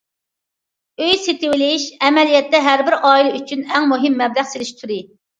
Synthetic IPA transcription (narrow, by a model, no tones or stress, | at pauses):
øjset̪ɪwɪlɪʃɛmɛlijɛt̪ːɛɦæɾbɪɾʔɑːilˠɨyt͡ʃʰynɛŋmuɦɪmːɛblæχselɪʃt̪ʰuɾɪ